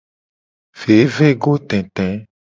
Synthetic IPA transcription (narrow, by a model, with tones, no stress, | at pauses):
v̥e˨˦ve˦ɡo˦t̪ɛ̃˨t̪ɛ̃˨˦